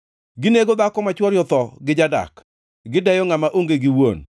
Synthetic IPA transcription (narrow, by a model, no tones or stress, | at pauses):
ɡɪneɡod̪akɔmat͡ʃwɔɾjɔt̪ɔɡɪd͡ʒada̰k | ɡɪdajɔŋamaʔoŋɡeɡɪwo̰n